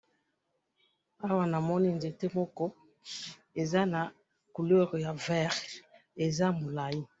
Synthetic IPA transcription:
a˦wa˨na˨mɔ˦ni˦nze˨te˦mɔ˦kɔ˦ | e˨za˦na˨ | ku˨lɛ˦ʁja˨vɛ˦˨ʁe˨za˦mo˨la˨ji˦

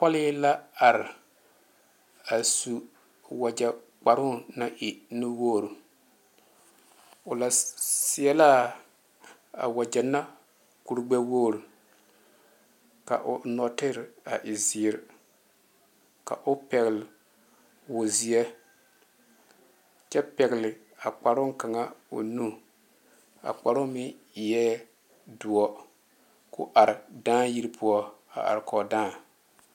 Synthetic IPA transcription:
pɔ˦lɪ˦la˦a˨ɾɪ˨ | a˨su˨ | wa˨d͡ʒa˨ | k͡pa˨ɾʊ˦˨na˦ʔɪ˨nɪ˦wo˦˨ɾu˨ | ʊ˨la˨sɪ˨ɛ˦la˦ | a̰˨wa˨d͡ʒɛ˨na˦ | ku˨ɾɡ͡bɛ˦wo˦˨ɾu˨ | ka̰˨ʔʊ˨nɔ˨tɪ˦ɾa˨ʔɪ˨zi˨ɾ | ka̰˨ʔʊ˦pɛ˨ɣl | wʊ˨zi˦ɛ˦ | t͡ʃɛ˦pɛ˨ɣɪ˨lɪ˨ | a˨k͡pa˨ɾʊ˦ŋ˦ka˨ŋa˦o̰˨nu˦ | a̰˨k͡pa˨ɾʊ˦mɪ˦˨ | jɛː˦ | du˨ɔ˦ | kʊ̰˦ʔa˨ɾɪ˨daː˦ji˦ɾpʰu˦ɔ˦a̰˨ʔa̰˨ɾkɔ˨dãː˦˨

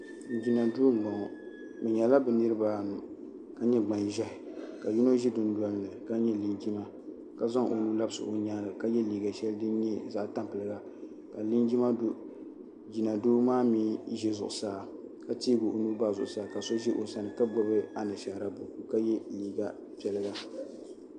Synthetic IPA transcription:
n̩˨d͡ʒi˨na˨duː˦˨ɡ͡bɔ˨ŋɔ˨ | mɨ˨ɲɛ˨la˦bɛ˨nɨ˦ɾɨ˦baː˦˨n˨ | ka˦ɲɛ˦ɡ͡ba˨nʒɛ˦hɪ˨ka˨ji˦no˦ʒɛ˦dʊ˨n˦du˦a˦lnɨ˨ka˦ɲɛ˦li˦nd͡ʒi˦ma˦ | ka˦za˦ŋʔo˨nu˦la˦bɨ˦sɨ̰˨ʔo˨ɲaː˦lɨ˨ka˦jɛ˦liː˨ɡa˨ʃɛ˦ldɨ˦n˦ɲɛ˦za̰˦ʔta˦mpɨ˨lɨ˨ɡa˨ | ka˨li˦nd͡ʒi˦ma˦do˦ | d͡ʒi˨na˨doː˦maː˦miː˦ʒɛ˦zʊ̰˨ʔʊ˨saː˦ka˦tiː˦ɡo˨o˨nu˦baː˦˨zʊ˨ʔʊ˨saː˦˨ka˨so˦ʒɛ˦ʔo˨sa˦nɨ˨ka˦bɔ˦bɨ˦a˨nɨ˨ʃa˨ɾa˨bo˨ku˨ka˦jɛ˦liː˦ɡa˨ | pɛ˦lɨ˦ɡa˦

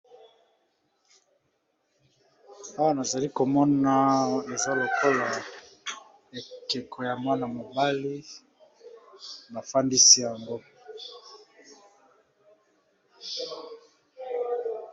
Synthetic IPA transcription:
a˦wa˦na˨za˨li˦ko˨mɔ˦na˦e˨za˦lo˨ko˦la˨ | e˨ke˨kʰɔ˨ja˨mwa˦na˨mo˨ba˦li˦ | ba˨fa˦ndi˦si˦ja˨ŋɡo˦

